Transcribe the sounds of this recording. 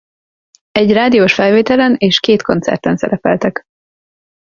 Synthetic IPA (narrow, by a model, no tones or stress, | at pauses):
ɛɟraːd̪ioːʃfɛlveːt̪ɛlɛneːʃkeːt̪ko̞nt̪sɛ̰rt̪ɛnsɛ̰ɾɛpɛ̰lt̪ɛk